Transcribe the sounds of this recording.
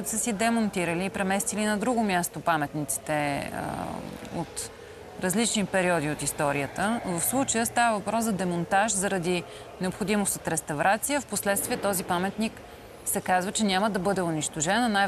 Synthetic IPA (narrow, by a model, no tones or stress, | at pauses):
t̪səsid̪ɛmont̪iɾəliːpɾɛmɛst̪ilinɐd̪ɾuɡomʲjast̪opamɛt̪nit̪si̥t̪ɛə̰o̰t̪ | ɾɐzlit͡ʃnipɛɾiɔd̪iot̪ist̪ɔɾijət̪əvəfslˠut͡ʃəjəst̪avəvɐpɾɔszɐd̪ɛmont̪aʒzɐɾɐd̪i | nɛopxod̪imost̪ot̪ɾɛst̪ɐvɾʔat̪sijəfposlɛt̪st̪vʲiɛt̪ɔzipamɛt̪nik | sɛkazvət͡ʃɛnʲaməd̪ɐbɤd̪ɛʊniʃt̪oʒɛnnaj